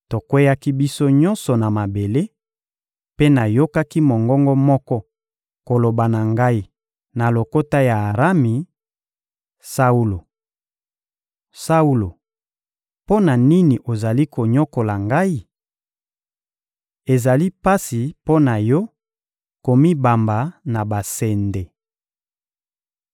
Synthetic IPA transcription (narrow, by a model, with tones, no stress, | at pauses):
to˨kwe˦ja˦ki˦bi˦so˦ɲɔ˦nsɔ˨na˨ma˨be˨le˦ | pe˦na˨jo˦ka˦ki˦mo˨ŋɡɔ˦ŋɡɔ˦mɔ˦kɔ˦ | ko˨lo˨ba˨na˨ŋɡa˦i˦ | na˨lo˨ko˦ta˦jaː˨ʁa˦mi˨ | sa˦u˦lo˨ | sa˦u˦lo˨ | po˦na˨ni˦ni˨ʔo˨za˨li˦ko˨ɲo˦ko˨la˨ŋɡa˦i˦ | e˨za˨li˦pa˦si˨po˦na˨jɔ˦ | ko˨mi˦ba˨mba˨na˨ba˨sɛ˨nde˨